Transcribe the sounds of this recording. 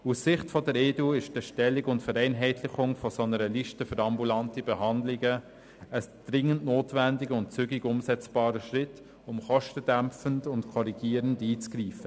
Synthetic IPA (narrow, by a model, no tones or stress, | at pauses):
usːɪχtfɔdəɾeːduɪʃd̥əʃtɛlːiɡʊntfəɾɛɪnɦɛɪtʰlɪχʊŋfɔsɔnəɾəliʃtəfʏɾɑmbulɑntibɛɦɑndlɪɡə | əsd̪̥ɾɪŋːəntnoːtvændɪɡəʊntt͡syɡɪɡʊmsɛt͡sb̥ɑːɾəʃɾɪt | ʊmχɔʃtəd̥æmfəndʊntkʰɔɾiɡ̥iːəɾəndiːt͡sɡ̥ɾiːfə